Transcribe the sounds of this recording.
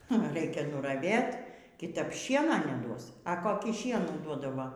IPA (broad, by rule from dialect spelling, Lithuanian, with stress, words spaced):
ˈnʊ ˈrɐɪkʲɛ nʊrɐˈʋʲeːt kʲɪˈtɐp ˈʃʲiɛnɐ nʲɛˈduɔs ɐ koːˈkʲiː ˈʃʲiɛnuː ˈduɔdɐʋɐ